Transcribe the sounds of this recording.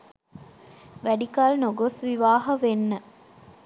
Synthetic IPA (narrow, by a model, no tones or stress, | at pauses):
ʋæɖikalnoɡosʋiʋaːɦɐʋenːə